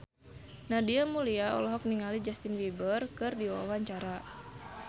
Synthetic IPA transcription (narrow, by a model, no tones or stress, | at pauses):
nadiamuliaɔ̰lɔɦɔk̚niŋalid͡ʒast̪inwibərkɨrdiwa̰waɲt͡ʃaɾa